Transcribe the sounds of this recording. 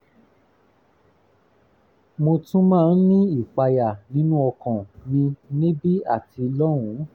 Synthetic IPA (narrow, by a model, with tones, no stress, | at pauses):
mo˧tũ˦mãː˦˧˨n̩˦nĩ˦i˦˨k͡pa˧ja˨nĩ˦nũ˦ɔ˧kɔ̃˨nĩ˧nĩ˦bi˦a̰˦˨ti˧lɔ˦wũ˨˦